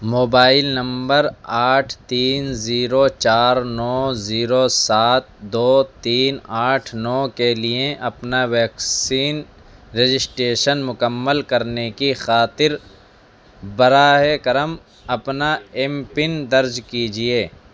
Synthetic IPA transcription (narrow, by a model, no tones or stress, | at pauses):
moːbaːɪlnɐ̃mbəɾaːʈʰt̪iːnziːɾot͡ʃaːɾnɔːziːɾosaːt̪̚d̪oːt̪iːnaːʈʰnɔːkeliẽʔɐpnaʋɛːksiːn | ɾed͡ʒɪsʈeːʃənmʊkəmːəlkɐɾnekixaːt̪ɪɾ | bɐɾaːɦekɐɾəm | ɐpnaempɪnd̪ɐɾd͡ʒkid͡ʒieː